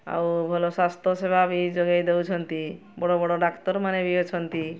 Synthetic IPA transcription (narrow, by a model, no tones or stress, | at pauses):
a̰wbʱɔlosast̪ʰosebʱabʱid͡ʒɔɡajd̪ewt͡ʃʰɔnt̪i | bɔɽobɔɽoɖakt̪ɔɾmanebiot͡ʃʰɔnt̪i